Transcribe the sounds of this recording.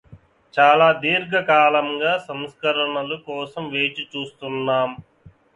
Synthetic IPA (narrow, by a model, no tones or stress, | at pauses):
t͡ʃaːlaːd̪iːɾɡɐkaːlɐŋɡaːsɐmskɐɾɐɳɐlukɔːsɐmʋeːt͡ʃit͡ʃuːst̪unːaːm